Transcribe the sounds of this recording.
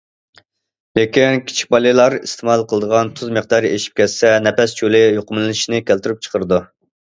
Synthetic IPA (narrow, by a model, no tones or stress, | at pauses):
lekʲinkʲʰi̥t͡ʃʰi̥k̚ʲbɑlɨlˠɑɾist̪ʰɨmɑlˠqʰəlˠəd̪əʁɑnt̪ʰuzməχd̪ɑɾeʃi̥p̚kʲɛt̪sɛnɛpɛst͡ʃʰolɪjoqʊmlɨnɪʃinɪkʲʰælt̪yɾyp̚t͡ʃʰə̥qʰəɾɨd̪u